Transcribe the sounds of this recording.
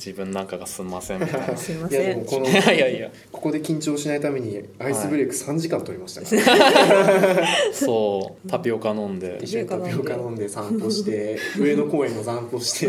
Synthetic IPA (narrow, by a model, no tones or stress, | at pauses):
d͡ʑibɯ̟̃nːãŋkaɡasɨmasẽjad̪emoko̞noaia | ko̞̥ko̞d̪e̞kʲĩɲ̟t͡ɕoːɕinait̪ame̞ɲ̟iaisɨbɯɾʲokɯ̟̥sãɲ̟d͡ʑikãnt̪o̞ɾʲimaɕi̥t̪ḁka | soːt̪apʲiokanõ̞nd̪e̞̰t̪apʲiokanõ̞nd̪e̞sãnt̪o̞ɕi̥t̪e̞ɯ̟e̞ːd̪o̞ko̞ːẽnːozãnt̪o̞ɕi̥t̪ʰe̞